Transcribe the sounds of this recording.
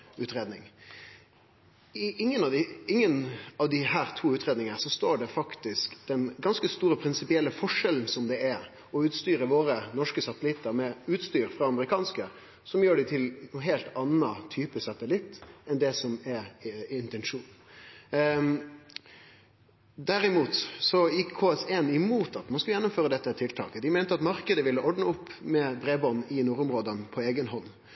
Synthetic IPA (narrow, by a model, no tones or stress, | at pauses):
ʉːt̪ɾeːd̪nɪŋ | ʔɪŋːənɑʋd̪ɪɪŋːənɑʋd̪ɪhæːɾt̪ʰuːʉːt̪ɾeːd̪nɪŋəəsɔst̪oːɖɛfɑkt̪ɪskd̪̥ɛnɡɑnskəst̪uːɾəpʰɾɪnsɪpɪɛlːəfɔʂɛln̩sɔmd̪ɛɛɾ | ɔʉːt̪st̪yːɾəʋoːɾənɔʂkəsɑt̪əlɪt̪ːəɾmɛʉːt̪st̪yːɾfʁɑɑməɾɪkʰɑːnskə | sɔmjøːɖɪt̪ʰɪlnɦeːlt̪ɑnːɑt̪ʰyːpəsɑt̪əlɪt̪ːɛnd̪ɛsɔmɛɾɪnt̪ɛnʂuːn | d̪æɾɪmuːt̪sɔjɪkʰːoːɛseːnɪmuːt̪ɑt̪mɑnskʉljɛnːʊmføːɾəd̪ɛt̪ːət̪ʰɪlt̪ʰɑ̰ːkəd̪ɪmɛɪnt̪əɑt̪mɑɾkəd̪əʋɪlːəʔɔɖɳəʊpːmɛbɾeːbɔnɪnʊɾʊmɾoːd̪ənpʰɔeːɡənɦɔnː